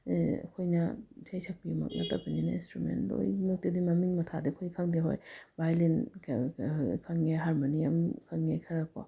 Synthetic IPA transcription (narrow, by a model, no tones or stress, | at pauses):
kʰojnɐd͡ʒʰajsʰɐk̚pimɐ̰k̚nɐ̰tːabɐninainstɾumḛndo̰jmɐk̚tudimɐmiŋmɐtʰadikʰojkʰaŋdiɦo̰jbajlinʰ | kʰaŋːeɦaɾmoniɐmkʰaŋːekʰɐɾakʰo̰